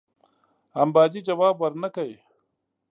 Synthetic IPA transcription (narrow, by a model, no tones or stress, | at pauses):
ɐmbaːd͡ʒid͡ʒawaːbwɐɾnakaj